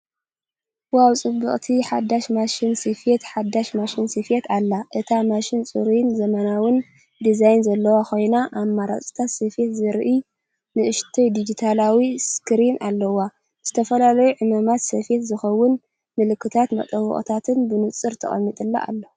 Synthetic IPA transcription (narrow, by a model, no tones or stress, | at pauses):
wawt͡sʼɨbɨχʼt̪ʰiħad̪ːaʃmaʃinsifet̪ħad̪ːaʃmaʃinsifet̪ʰalːaʔɨt̪ʰamaʃɪnt͡sʼɨ̰ɾinzɐmɐnawɨn | d̪izajnzɐlːɐwaxʰo̞jnaʔamːaɾa̰t͡sʼi̥t̪ʰat̪sɐfe̞t̪zɨɾʔi | nɨʔɨʃt̪ʰojd̪id͡ʒit̪ʰalawiskɨɾinʔalːɐwa | z̥ɨt̪ʰɐfɐlalɐjuʕɨmamat̪sɐfe̞t̪zɨxɐwːʊn | mɨlɨkːɨt̪ʰat̪mɐ̰t̪ʼɐwɨ̰χʼt̪ʰat̪ʰɨnbɨnɨt͡sʼɨɾt̪ʰɐ̰χʼɐ̰mːit̪ʼɨlːa̰ʔa̰lːo